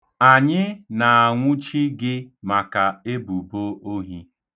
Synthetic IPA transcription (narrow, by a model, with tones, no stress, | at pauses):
a˨ɲɪ˦na˨a˨ŋʷʊ˦t͡ʃi˦ɡɪ˦ma˨ka˨e˦bu˨bo˦o˦ɦi˦